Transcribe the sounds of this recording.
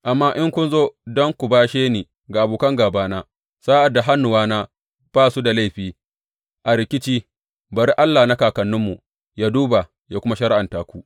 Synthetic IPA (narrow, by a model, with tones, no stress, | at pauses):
ʔa˨mːaː˦ʔɪ˦ŋkʷʊ˦nzoː˦dɔ˦ŋkʷu˨baː˦ʃeː˦niː˨ | ɡa˨ʔa˨buː˨kɐ˦ŋɡaː˨baː˦naː˦ | saː˦ʔa˨dːa˨ɦa˦nːʊ˨waː˦naː˦ | b̥aː˦˨su˦da˨la˦jɸiː˦ | ʔa˨ɾɪ˨kʲɪ˦t͡ʃiː˦ | bɐ˨ɾi˦ʔa˦lːa˨na˦kaː˨kɐ˨nːʊ˦mːu˨ | jaː˦duː˦ba˨ | jaː˦kʷʊ˦ma˦ʃɐ˦ɾɪ˦ʔa˨ntaː˦kʷu˦ʔ